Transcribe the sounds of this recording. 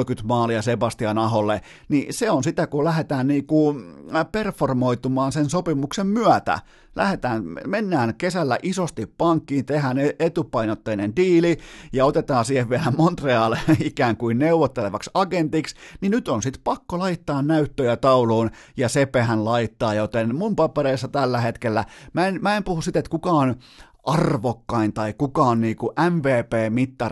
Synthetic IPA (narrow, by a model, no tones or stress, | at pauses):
kyt̪mɑːliɑsebɑst̪iɑnɑɦolːe | niseonsit̪ækulæhet̪æːnniːkuperformoit̪umɑːnsensopimuksemmyæt̪æ̰ | lʔæ̰het̪æːnmenːæːnkesælːæ̰ʔisost̪ippɑŋkːiːnt̪ehæneet̪upɑinot̪ːeinendiːlijɑot̪et̪ɑːsiːheʋʋiælæmont̪reɑːleikæːŋkuinneuʋot̪ːeleʋɑksɑɡent̪iksninyt̪onsit̪pɑkːolɑit̪ːɑːnnæyt̪ːøjæt̪ɑuloːn | jɑsepehænlɑit̪ːɑːjot̪enmumpɑpeɾeisːɑt̪ælːæhet̪kelːæmæenmæempuhusit̪et̪kukɑon | ʔɑrʋokːɑint̪ɑikukɑonniːkuʔæmʋeːpeːmit̪ːɑr